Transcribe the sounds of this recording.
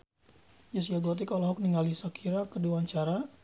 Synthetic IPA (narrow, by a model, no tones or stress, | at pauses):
d͡ʒasiaɡɔt̪̬ikalɔɦɔk̚niŋalisakʰiɾakəduaɲt͡ʃaɾa